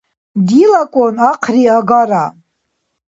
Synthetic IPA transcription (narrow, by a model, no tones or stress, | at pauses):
dilakʷʼonaqʰriaɡaɾa